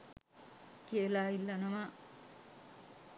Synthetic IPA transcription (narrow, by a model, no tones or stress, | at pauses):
kielaːilːanəma